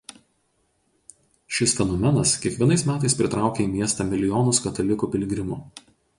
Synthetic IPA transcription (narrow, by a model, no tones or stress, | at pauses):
ʃʲɪsfʲɛnɔmʲɛnɐskʲiɛkʋʲiɛnɐɪsmʲæːt̪ɐɪspʲɾʲɪt̪ɾɑˑʊkʲeːiːmʲiɛst̪ɐmʲɪlʲɪjɔːnʊskɐt̪ɐlʲɪkuːpʲɪlʲɡʲɾʲɪmʊ